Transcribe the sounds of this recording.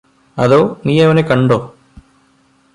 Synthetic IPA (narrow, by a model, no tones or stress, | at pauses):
ɐðoːniːjɐʋɐnekɐɳɖoː